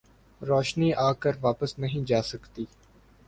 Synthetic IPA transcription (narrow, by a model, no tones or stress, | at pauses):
ɾoːʃniːʔaːkəɾʋaːpəsnəɦĩːd͡ʒaːsəkt̪iː